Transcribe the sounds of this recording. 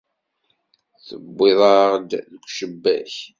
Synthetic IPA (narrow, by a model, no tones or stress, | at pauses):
θəbːeðˤɑʁd̪ðəkʷːʃəbːæ̰ç